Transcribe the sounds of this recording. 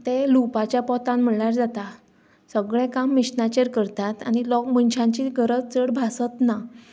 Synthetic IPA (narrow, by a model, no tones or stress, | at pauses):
t̪elupat͡ɕjapɔt̪ãnm̤əɭjaɾd͡zat̪a | səɡɭɛ̃kamːiɕnat͡ɕəɾkəɾt̪at̪añilɔkmənɕʰãɲt͡ɕiɡəɾət͡st͡səɽbʱasət̪na